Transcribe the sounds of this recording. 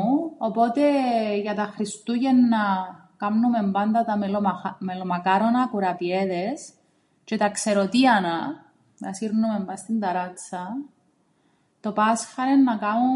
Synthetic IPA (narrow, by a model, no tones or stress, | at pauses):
opo̞t̪e̞ʝɐt̪ɐxɾist̪uʝenːɐ | kɐmnume̞mbɐnd̪ɐt̪ɐmelomɐkɐɾonɐkuɾɐpieðes | cet̪ɐkse̞ɾot̪iɐnɐ | nɐsiɾnume̞mbɐst̪ind̪ɐɾɐt͡sːɐ | t̪o̞pɐsfɐɾenːɐkɐu